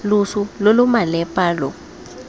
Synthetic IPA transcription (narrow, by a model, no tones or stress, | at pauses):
lusulolumalɛpʼaːlɔ